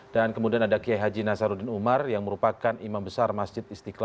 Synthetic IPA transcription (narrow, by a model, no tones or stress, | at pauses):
dankəmudianadakiajɦad͡ʒinasaɾudɪnumarjaŋməɾupakanimambəsarmasd͡ʒɪt̪̚ist̪ikla